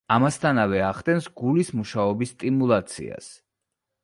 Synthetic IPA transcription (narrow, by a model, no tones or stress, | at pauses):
amast̪ʰanavɛaχt̪ʼɛnsɡulismuʃaɔbisːt̪ʼimulˠat̪sʰḭa̰s